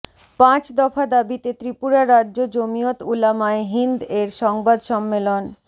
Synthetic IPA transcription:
pãt͡ɕd̪ɔfad̪abit̪et̪ɾipuɾaɾadːʑod͡ʑomijot̪ulamaeɦind̪eɾʃɔŋbad̪ʃɔmːelon

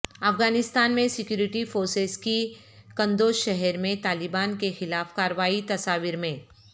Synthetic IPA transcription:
ɐfɡaːnɪst̪aːnmẽsɪkjuːɾɪʈifoːɾsezki | kɐ̃nd̪oːʃɛɦɛɾmẽt̪aːlɪbaːnkexɪlaːfkaːɾəʋaːit̪ɐsaːʋiɾmẽː

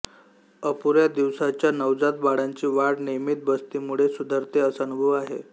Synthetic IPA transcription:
əpuɾjad̪iʋsat͡ɕjanəʋd͡zat̪̚baɽaɲt͡ɕiːʋaɽnemit̪̚bəst̪iːmuɭesud̪ʱəɾt̪eəsanubʱəʋaɦḛ

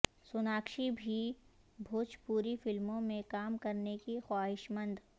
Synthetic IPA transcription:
sʊnaːkʃibʱi | bʱoːt͡ʃpuːɾifɪlmõmẽkaːmkɐɾnekixwaːɦɪʃmə̃nd̪

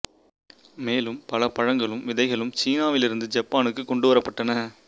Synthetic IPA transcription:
meːlɯmpɐlɐpɐɻɐŋɡɐɭɯmʋɪðɐɪɣɐɭɯmt͡ʃiːnaːʋɪlɪɾɯnd̪ɯd͡ʒɐpːaːnɯkːɯkːɔɳɖɯʋɐɾɐpːɐʈːɐnɐ

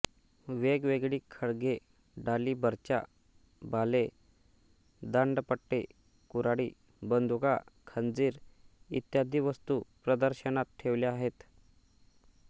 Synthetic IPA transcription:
ʋeɡʋeɡɭiːkʰəɭɡe | ɖaliːbəɾt͡ɕa̰ | bʱale | d̪əɳɖpəʈːe | kuɾaɽiː | bənd̪ʱuɡakʰənd͡ziːɾḭt̪jad̪ʱiːʋəst̪upɾəd̪əɾɕənat̪̚ʈʰeʋleaɦet̪

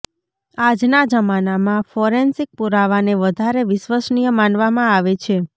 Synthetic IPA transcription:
ad͡ʒnad͡ʒəmanamãfɔɾensik̚puɾaʋaneʋəd̪ʱaɾeʋɪʃʋəsɳijəmanʋamãaʋet͡ʃʰe

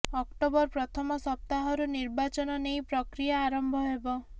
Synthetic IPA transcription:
ɔkʈobɔɾpɾɔt̪ʰɔmɔsɔp̚t̪aɦɔɾuniɾbat͡ʃɔnɔnejpɾɔkɾijaːɾɔmbʱɔɦebɔ

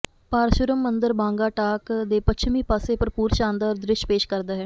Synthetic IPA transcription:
paːɾʃʊɾəmːənd̪əɾbãːŋɡaːʈaːkd̪eːpətʃʰmiːpaːseːpəɾpuːɾʃãːnd̪aɾd̪ɾɪʃpeːʃkəɾd̪aːɦɛː

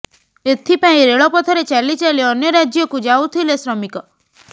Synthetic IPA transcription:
et̪ʰipãĩɾeɭɔpɔt̪ʰɔɾet͡ʃalit͡ʃaliɔnjɔɾad͡ʒjɔkud͡ʒawt̪ʰilesɾɔmikɔ

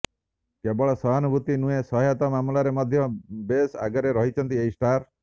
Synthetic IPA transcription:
kebɔɭɔsɔɦanubʱut̪inũesɔɦjɔt̪ɔmamlaɾemɔd̪ʱjɔbesa̰ɡɔɾeɾɔɦit͡ʃʰɔnt̪ieisʈaɾ

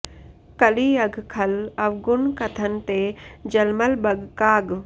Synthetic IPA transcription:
kɐliɐɡʱkʰɐlɐʋɡʊnkɐt̪ʰənt̪eːd͡ʒɐlməlbɐɡkaːɡ

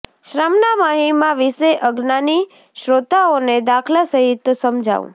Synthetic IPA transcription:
ʃɾamnamaɦimãʋiseʔəɡnani | ʃɾot̪aoned̪akʰlasəɦɪt̪səmd͡ʒʱa̰ʋṵ̃

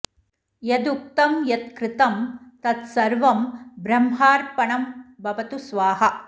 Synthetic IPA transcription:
jɐd̪uk̚t̪ɐmjɐt̪̚kɾɪt̪ɐmt̪ɐt̪sɐɾʋɐmbɾɐmɦaːɾpɐɳɐmbɐbɐt̪usʋaːɦɐ

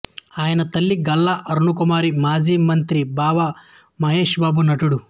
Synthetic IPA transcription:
aːjɐnɐt̪ɐlːiɡɐlːaʔɐɾnukumaːɾimaːd͡ʒiːmɐnt̪ɾibaːʋa | mɐɦeːʃbaːbunɐʈuɽu

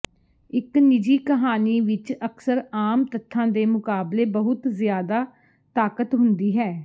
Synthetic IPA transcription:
ɪknɪd͡ʒiːkəɦaːniːʋɪt͡ʃəksəɾaːmt̪ət̪ʰːãːd̪eːmʊkaːbleːbəɦʊt̪zɪjaːd̪aː | t̪aːkət̪ɦʊnd̪iːɦɛː

